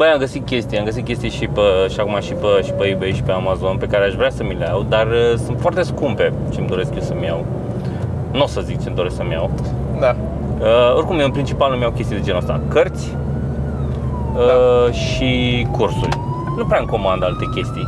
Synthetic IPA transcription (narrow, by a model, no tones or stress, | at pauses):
b̥əjamɡəsit̪̚kʲe̞st̪ijamɡəsit̪̚kʲe̞st̪ijeʃipəʃakumaʃipəʃi̥pəibejʃi̥peamazo̞npe̞kaɾeaʃvɾʲeasəmileawd̪arəsunt̪foart̪e̞skumpe̞ | t͡ʃemd̪o̞ɾe̞skjewsəmjaw | nosəzik̚t͡ʃemd̪oɾe̞sksəmʲja̰w | d̪a | əo̞rʲkumepɾint͡ʃipalnumjawkʲest̪ijd̪e̞d͡ʒenəst̪a̰kərt̪sʲ | əʃikursṵlʲ | nupɾɛaɨŋko̞mand̪alt̪e̞kʲe̞st̪ij